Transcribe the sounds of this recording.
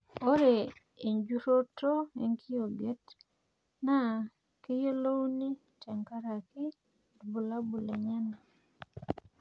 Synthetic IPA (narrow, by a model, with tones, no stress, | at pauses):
o˦ɾe˨ | e˨ɲd͡ʒu˦ɾo˦to˦e˨ŋki˦o˨ɡe˦t | na˦ | ke˦jo˦lo˦wni˦ | tɛ˨ŋka˦ɾa˨kɪ˦ | dbu˨la˦bu˨le˨ɲa˦na˨